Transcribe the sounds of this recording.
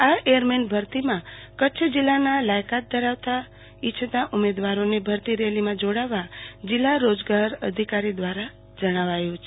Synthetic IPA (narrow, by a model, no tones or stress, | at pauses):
aejəɾmenbʱəɾt̪imãkət͡ʃʰd͡ʒilːanalajkat̪̚d̪əɾaʋt̪a | ɪt͡ʃʰət̪aʔumed̪ʋaɾonebʱəɾt̪iɾelimãd͡ʒoɽaʋad͡ʒilːaɾod͡ʒɡaɾə̰d̪ʱikaɾid̪ʋaɾa | d͡ʒəɽ̃aʋajũt͡ʃʰe